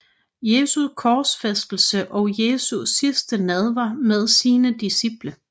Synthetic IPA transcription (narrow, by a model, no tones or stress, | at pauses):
je̝ːsukʰɒːsfesd̥l̩səʔɒʊje̝ːsusisd̥ənɛð̞ˠʋɑmeð̞ˠsiːnəd̥isib̥lə